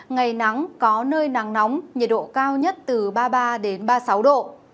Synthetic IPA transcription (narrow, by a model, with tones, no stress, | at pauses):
ŋa˨˩jna˨˦ŋkɔ˨˦nəː˧jnaː˨˩ŋna˨˦wŋ͡mɲi˨˩t̚ɗo̰˧˨kaː˧wɲə˦˥t̚t̪ɨ˨˩ɓaː˧ɓaː˧ɗe˨˦nɓaː˧sa˨˦wɗo̰˧˨